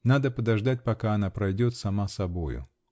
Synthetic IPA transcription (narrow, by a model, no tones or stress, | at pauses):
nad̪əpəd̪ɐʐd̪at̚ʲpɐkaɐnapɾɐjdʲo̞t̪sɐmasɐbo̞jʊ̰